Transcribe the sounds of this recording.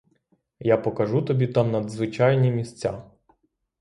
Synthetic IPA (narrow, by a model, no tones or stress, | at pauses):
japɔkɐʒut̪ɔbʲit̪ɑmnɐd̪zʋɪt͡ʃɑjnʲimʲisʲt͡sʲa